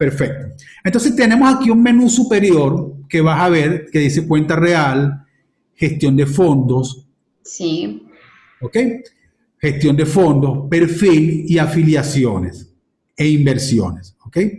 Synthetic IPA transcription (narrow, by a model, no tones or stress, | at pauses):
peɾfe̞k̚t̪o | ent̪onsest̪e̞ne̞mosakiuŋmẽ̞nusupe̞ɾjo̞ɾke̞βaaβe̞ɾkeðisekwe̞nt̪are̞al | xe̞st̪jo̞nd̪e̞fo̞nd̪o̞s | si | oke̞j | xe̞st̪jo̞nd̪efo̞nd̪o̞spe̞ɾfiliafiljasjone̞s | eimbe̞ɾsjo̞̰ne̞soke̞j